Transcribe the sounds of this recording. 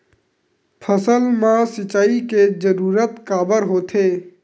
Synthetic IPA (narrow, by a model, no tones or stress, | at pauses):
pʰəsəlmãsɪt͡ʃaːiked͡ʒəɾuːɾət̪kaːbəɾɦoːt̪ʰeː